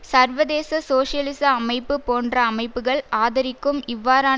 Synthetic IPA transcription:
sɐɾʋɐðeːsɐsoːʂɪjɐlɪsɐːmɐɪpːɯpoːndrɐːmɐɪpːɯɣɐɭaːðɐɾɪkːɯmɪʋːaːɾaː

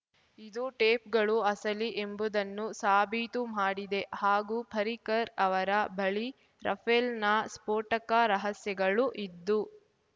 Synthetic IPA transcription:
id̪uʈeːpɡɐɭuɐsɐliʔembud̪ɐnːusaːbʱit̪umaːɽid̪e̞haːɡuːpʰɐɾikɐɾɐʋɐɾɐbʱɐɭi | ɾʔɐ̰pʰelnɐspoːʈɐkaɾɐɦɐsjɐɡɐɭuʔid̪ːu

